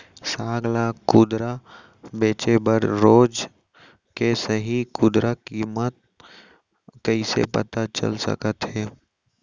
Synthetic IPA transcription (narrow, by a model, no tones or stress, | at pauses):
saːɡlakʊd̪ɾa | beːt͡ʃebəɾɾoːd͡ʒ | kesəɦikʊd̪ɾakiːmət̪̚ | kəisḛpə̰t̪at͡ʃə̰lsə̰kət̪ɦɛː